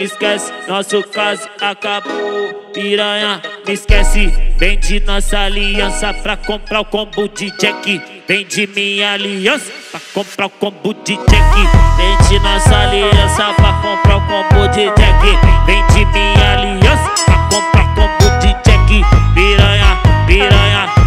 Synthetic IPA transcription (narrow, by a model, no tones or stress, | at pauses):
miskɛsi̥nɔsʊkazʊakaboiɾɐ̃ɲɐmiskɛsɪvẽj̃d͡ʒɪnɔsɐaliɐ̃sɐpɾakõpɾaʊkõbʊd͡ʒɪd͡ʒɛki | vẽj̃d͡ʒimĩɲɐaliɐ̃sɐ̥pɾakõpɾakõbud͡ʒid͡ʒɛkivẽd͡ʒinɔsaliɐ̃sɐpɾakõpɾakõbod͡ʒid͡ʒɛkivẽj̃d͡ʒimĩɲaliɐ̃sɐ̥pɾakõpɾakõbud͡ʒid͡ʒɛkipiɾɐ̃ɲɐpiɾɐ̃ɲɐ